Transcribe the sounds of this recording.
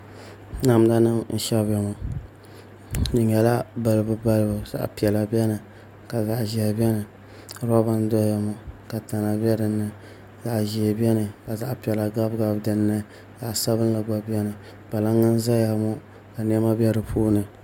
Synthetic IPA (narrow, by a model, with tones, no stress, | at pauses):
na˨m˦da˦nɨ˦mn̩˦ʃɛ˦bɛ˨˦ma˨ | nɨ˨ɲɛ˨la˦ba˨lɨ˦bɨ˦ba˦lɨ˦ba˨za̰˨ʔpi˨ɛ˨la˨bɛ˦nɨ˨ | ka˨za˨ʔʒi˨a˨bɛ˦nɨ˨ | ɾa˦ba˦n˦dɔ˦ja˨mɔ˦ka˨ta˨na˨bɛ˦dɨ˨nːɨ˨ | za˨ʔʒi˨a˨bɛ˦nɨ˨ka˨za˨ʔpi˨ɛ˨la˨ɡa˦bɡa˨bdɨ˨nːɨ˦ | za˨ʔsa˦bɨ˦n˦la˨ɡ͡ba˨bɛ˦nɨ˨ | b̥a˨la˦ŋːa˦n˦za˦ja˨mɔ˦ | ka˨n˦ɛ˦ma˦bɛ˦ɾɨ˨pʰuː˦nɨ˨